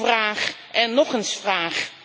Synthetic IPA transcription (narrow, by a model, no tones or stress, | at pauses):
vraːχʔɛnːɔχənsfraːχ